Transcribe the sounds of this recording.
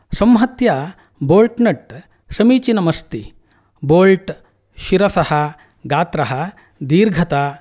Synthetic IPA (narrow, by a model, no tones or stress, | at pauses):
sɐmɦɐt̪jaː | boːlʈnɐʈ | sɐmiːt͡ʃinɐmɐst̪i | boːlʈ | ʃiɾɐsɐhɐ̆ | ɡaːt̪ɾɐɦɐ | d̪iːɾɡʱɐt̪aː